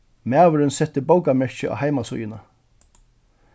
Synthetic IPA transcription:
mæːʋəɾɪnsɛt̪ːɪbowkamɛɹ̥çəa̰hajmasʊ̰jɪna

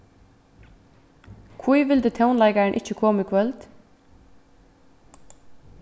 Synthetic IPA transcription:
kʰvujʋɪlt̪ɛt̪ʰɛwnlajkaɹɪnʔɪt͡ɕːəkʰɔːmikʰvœlt̪

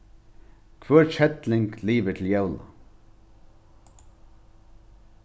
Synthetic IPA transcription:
kʰvœːɹt͡ʃʰɛt̪lɪŋkliːʋət̪ʰɪljawla̰

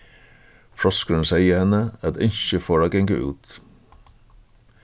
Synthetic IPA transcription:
fɾɔskəɹənseɪəhɛnəæt̪ɪɲɕəfoːɹæɡɛŋkə̰ʔʉ̰ːt̪

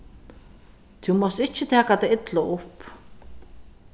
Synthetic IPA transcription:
t̪ʰimɔst̪ɪt͡ʃːət̪ʰɛːkat̪ɛɪt̪loʔʊp

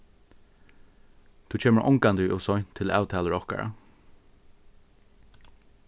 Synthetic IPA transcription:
t̪ʰuːt͡ʃʰeːməɹʔɔ̰ŋkand̪əʔɔsɔjnt̪ʰɪla̰ːwt̪ʰɛːləɹɔhka̰ɹa̰

